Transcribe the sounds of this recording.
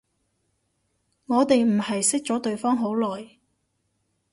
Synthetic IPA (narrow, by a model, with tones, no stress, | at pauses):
ŋɔː˨˧t̪e˨jm̩˨˩hɐ˨jsɪ˥k̚t͡sɔː˨˥t̪ɵ˨˧ɥfɔː˥ŋɦo˨˥wlɔː˨˩j